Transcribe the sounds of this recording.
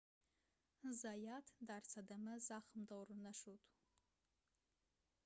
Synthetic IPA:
zajatʰdart͡sʰadamɨzaχəmdawrɨnaʂotʼ

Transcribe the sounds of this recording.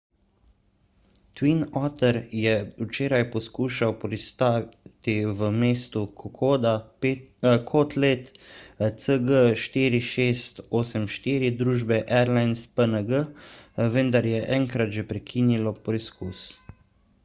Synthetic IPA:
t̪winɔt̪ɛɾjɛut͡ʃeːɾajpɔskuːʃawpɾist̪aːt̪iʋəmeːst̪ukɔkːd̪a | kʰɔt̪leːt̪ | səɡəʃt̪iːɾiʃeːst̪oːsɛmʃt̪iːɾid̪ɾuːʒbɛʔɛɾlajnspənəɡəʋənd̪aɾjɛʔɛŋkɾat̪ʒɛpɾɛkʰiːnilɔpiskus

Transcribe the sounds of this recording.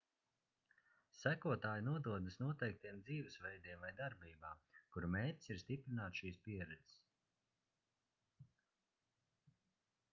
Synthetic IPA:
sækuɔt̪aːjnuɔd̪uɔd̪ɨsnuɔt̪ɛjk̚t̪ijɛmd̪ziːvɨsvɛjd̪iɛmvajd̪aɾbiːbaːkuɾmɛːt̪ʲsiɾst̪ipɾinaːt̪sʃiːspiɛɾɛd̪z̥s

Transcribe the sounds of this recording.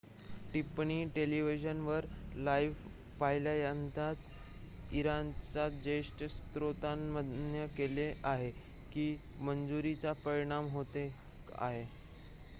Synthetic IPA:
ʈipɳiʈeliʋid͡ʑənʋəɾlajʋ | paɦiljajant̪at͡s | iɾant͡sad͡ʑəiʂʈəst̪ɾot̪amːəd̪njəkeleʔaɦe | kiː | mənd͡zuɾit͡sapəɾiɽ̃amɦot̪e | a̰ɦe

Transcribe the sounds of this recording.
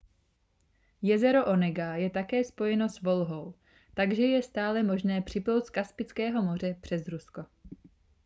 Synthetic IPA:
jɛzɛɾo̞ʔo̞nɛɡajɛt̪akɛːspo̞jɛno̞svo̞lɦo̞w | t̪aɡʒɛjɛst̪aːlɛmo̞ʒnɛːpr̝̥ɪplowt̪skaspɪt͡skɛːɦo̞mo̞r̝ɛpr̝̥ɛzɾusko̞

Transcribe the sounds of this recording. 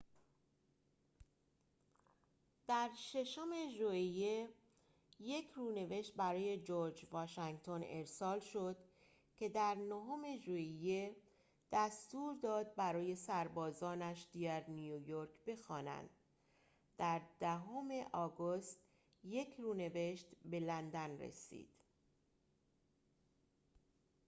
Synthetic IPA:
d̪̥æɾʃe̞ʃome̞ʒuije | je̞cʰɾune̞ve̞ʃt̪̚bæɾɒːje̞d͡ʒoɾd͡ʒvɒːʃæŋɡt̪ʰo̞ne̞ɾsɒːlʃo̞d̪̥ | cʰe̞d̪æɾnoɦome̞ʒuije | d̪̥æst̪uːɾd̪ɒːd̪̚bæɾɒːje̞sæɾbɒːzɒːnæʃd̪iɡæɾnijujoɾkʰbe̞xɒːnæ̰nd̪̥ | d̪̥æɾd̪̥æɦome̞ʔɒːɡost̪ | je̞kʰruːne̞ve̞ʃt̪be̞lænd̪ænrḛsḭːd̪̥

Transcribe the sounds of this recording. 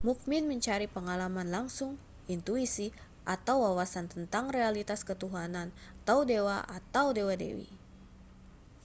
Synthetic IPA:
muk̚mɪnməɲt͡ʃaɾipəŋalamanlaŋsʊŋ | int̪uisi | ʔat̪awwawasant̪ənt̪aŋrealit̪askət̪uɦanant̪awdewaʔat̪awdewadḛwḭ

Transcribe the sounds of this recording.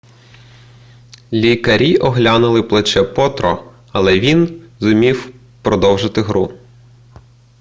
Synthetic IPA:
lʲikɐɾʲiʔɔɦlʲanʊlˠɪplˠɐt͡ʃɛpɔt̪ɾɔ̰ | ɐlˠɛʋʲinzʊmʲiw | pɾɔd̪ɔwʒɪt̪ɪɦɾu

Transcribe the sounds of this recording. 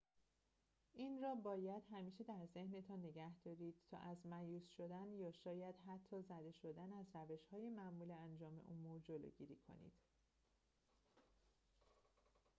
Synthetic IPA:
ʔiːnrɒːbɒːjæd̪̥ɦæmiːʃe̞d̪æɾze̞hnet̪ʰɒːnːe̞ɡæhd̪̥ɒːɾiːd̪̥̚t̪ʰɒ̰ːʔæzmæjuːsʃo̞d̪ænjɒːʃɒːjæd̪̥ɦæt̪ʰːɒːzæd̪e̞ʃo̞d̪ænæzɾæve̞ʃhɒːjemæmuːleænd͡ʒɒːme̞̰ʔomuɾd͡ʒo̞lo̰ɟiːɾiːkʰo̰nḭːd̪̥

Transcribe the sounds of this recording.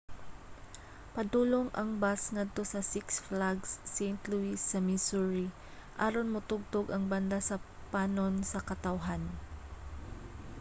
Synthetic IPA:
pɐd̪uːloŋʔɐŋbasŋad̪̚t̪o̞sɐsɪksflaɡsːejnt̪luisːɐmisuɹi | ʔaɾonmʊt̪ʊɡ̚t̪oɡɐŋbɐnd̪asɐpaːnonsɐkɐt̪ɐwɦan

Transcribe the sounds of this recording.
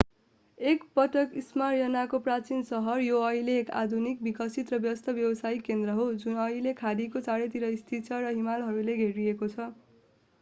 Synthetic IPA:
ekpʌʈʌkismaɾjʌnakoprat͡sinsʌɦʌrjoʌileːka̰d̪ʱunik̚bikʌsit̪rʌbjʌʌst̪ʰʌbjʌbʌsajkend̪rʌɦod͡zunʌilekʰaɾikot͡saɾet̪iɾʌist̪ʰit͡sʰʌɾʌɦimalɦʌɾuleɡʱeɾiekot͡sʰʌ

